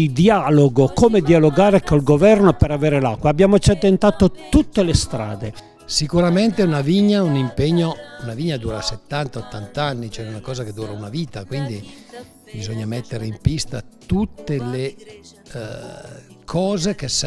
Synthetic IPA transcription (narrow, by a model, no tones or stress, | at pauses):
d̪ialoɡokoːmed̪ialoɡaːɾekolɡovɛrnopeɾaveːɾelakːwaːbjaːmot͡ʃat̪ːent̪aːt̪ot̪ut̪ːelest̪ɾa̰ːd̪e | sikuɾament̪eunaviɲːaunimpeɲːounaviɲːad̪uːɾaset̪ːant̪aot̪ːant̪anːit͡ʃoɛunakɔːzaked̪uːɾaunaviːt̪akwind̪i | bizoɲːamɛt̪ːeɾeimpist̪a̰t̪ut̪ːele | kʰɔːzekes